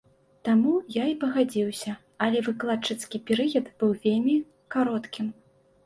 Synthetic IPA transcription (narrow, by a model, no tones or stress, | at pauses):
t̪amujaipɐɣad͡zʲiwsʲɐ | ɐlʲɛvɨklˠat͡ʂːɨt̪skʲipʲɛɾɨjɐd̪b̥ɨwvʲelʲmʲi | kaɾɔt̪kʲim